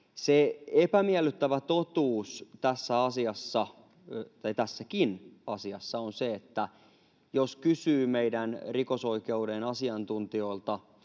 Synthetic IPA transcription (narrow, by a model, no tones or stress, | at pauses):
seepæmiælyt̪ːæʋæt̪ot̪uːst̪æsːæɑsiɑsːɑ | t̪ɑjt̪æsːækinɑsiɑsːɑonseet̪ːæ | joskysyːmeidænriko̞so̞ike̞udenɑsiɑnt̪unt̪io̞ilt̪ɑ